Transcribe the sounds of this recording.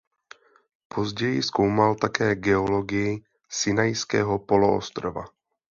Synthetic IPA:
pʰo̞zɟɛjɪsko̞wmalt̪akɛːɡɛo̞lo̞ɡɪjɪ | sɪnajskɛ̰ːɦo̞po̞loʔo̰st̪ɾova̰

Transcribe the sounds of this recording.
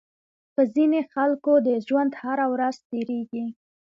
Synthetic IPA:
pəzinexalkod̪əʒwand̪haɾawɾaz̥t̪eɾeɡi

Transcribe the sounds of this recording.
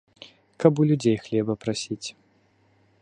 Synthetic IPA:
kapulʲud͡zʲejxlʲɛbɐpɾasʲit͡sʲ

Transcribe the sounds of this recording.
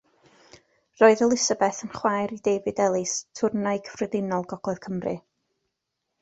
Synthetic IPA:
roːɨðəlˠɪsəbɛθənχwajɾidejvɨdɛlˠɨstʰʊrnajkʰəvrɨðɪnɔlˠɡɔɡ̥lˠɛð̥kʰəmrɨ̰

